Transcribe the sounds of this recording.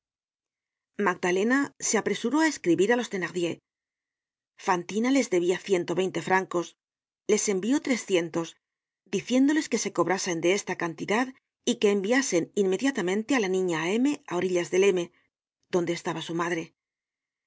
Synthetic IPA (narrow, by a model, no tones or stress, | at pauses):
maɡ̚d̪ale̞nase̞apɾe̞suɾo̞ae̞skɾiβiɾalo̞st̪e̞naɣðje̞ | fant̪inale̞zðe̞βiaθje̞nt̪o̞βe̞jnt̪e̞fɾaŋko̞s | le̞se̞mbio̞t̪ɾe̞sθje̞nt̪o̞s | d̪iθje̞nd̪o̞le̞ske̞se̞ko̞βɾase̞nd̪e̞est̪akant̪iðað | ike̞ːmbiase̞ninme̞ðjat̪amẽ̞nt̪e̞alanĩɲae̞me̞ao̞ɾiʎazðe̞le̞me̞ | ð̥o̞nd̪e̞ːst̪aβasumaðɾe̞